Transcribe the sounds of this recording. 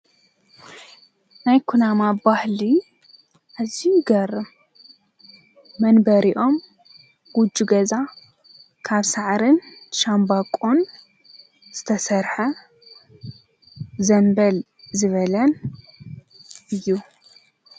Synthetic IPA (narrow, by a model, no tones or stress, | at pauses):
najkʰunamabahli | ʔazijuɡɐrɨm | ɐnbɐɾiʔo̞m | ɡ̥ud͡ʒːuɡɐza | kʰaβsaʕɾɨnʃambakʼon | z̥ɨt̪ʰɐsɐɾħɐ | zɐnbɐl | zɨβɐlɐn | ʔɨjːu